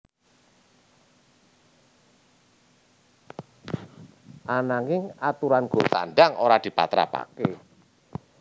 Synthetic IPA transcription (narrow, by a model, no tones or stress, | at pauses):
ʔanaŋɪŋat̪uɾanɡ̥ot̪a̰nɖaŋoɾad̪̥i̤pa̰t̪ɾa̰pa̰ke